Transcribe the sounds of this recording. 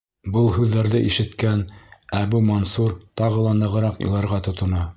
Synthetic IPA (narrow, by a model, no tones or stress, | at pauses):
bɤlˠhʉðːæɾðɘʔiʃɘ̆t̪kænæbumonsuɾt̪ɑʁɤ̆lˠɑnɤ̆ʁɤ̆ɾɑqjṵlˠɑɾʁɑt̪ŏt̪ŏnɑ